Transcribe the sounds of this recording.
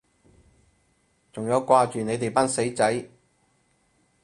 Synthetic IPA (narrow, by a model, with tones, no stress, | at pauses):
t͡sʊ˨ŋjɐ˨˧wkʷaː˧t͡ʃyː˨ne˨˧jt̪e˨˩jpaː˥nse˨˥jt͡sɐ˨˥j